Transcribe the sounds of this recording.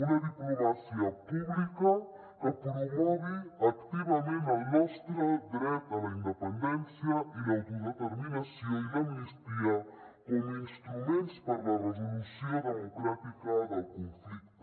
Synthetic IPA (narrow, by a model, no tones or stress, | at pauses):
unaðiplomasiapublika | kapɾomɔβiakt̪ivamẽamɔst̪ɾad̪ɾɛt̪alaind̪ɛpɛnd̪ɛnsjaʔilaɡizat̪aɾminasiailaminist̪iakominst̪ɾumɛ̃nt̪spaɾlaɾezolusiod̪eemokɾat̪ikaðalkonflik̚t̪o